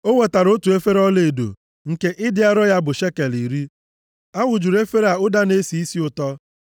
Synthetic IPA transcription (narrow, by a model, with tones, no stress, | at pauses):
o˦we˨ta˨ɾʊ˦tu˨e˦fe˦ɾɔ˦le˨do̰˨ | ŋ̩˨ke˦ʔɪ˦dɪ˦a˦ɾɔ˦ja˦bʊ˨ʃe˦ke˨li˨ɾi˦ | a˦ŋʷʊ˨d͡ʒu˨ɾe˦fe˦ɾa˨ʊ˦da˦ne˦si˨i˦si˦ʊ˨tɔ˦